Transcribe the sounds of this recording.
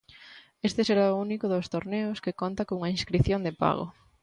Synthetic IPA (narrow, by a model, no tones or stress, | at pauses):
est̪eseɾaʊunikʊðost̪oɾneʊskekont̪akouŋɐĩnskɾiθjond̪epa̰ɣo̰